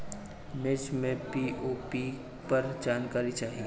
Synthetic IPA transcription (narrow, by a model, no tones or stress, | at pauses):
med͡ʒmẽpiːoːpi | pɐɾd͡ʒaːnkaːɾit͡ʃaːɦie